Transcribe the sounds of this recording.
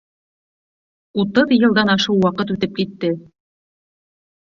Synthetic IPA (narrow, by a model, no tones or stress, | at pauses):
ut̪ɤðjɤ̆lˠd̪ɑnɑʃɤwːɑqɤt̪̬ʉt̪ɘp̚kit̪ːɘ